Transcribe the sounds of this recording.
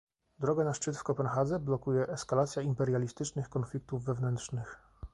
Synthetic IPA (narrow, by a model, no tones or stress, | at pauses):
d̪ɾɔɡanaʂt͡ʂɘt̪fkɔpɛnxad̪zɛblɔkujɛʔɛskalat̪sʲjaimpɛɾjalʲist̪ɘt͡ʂnɘxkɔnflʲik̚t̪uvːɛvnɛnt̪ʂnɘx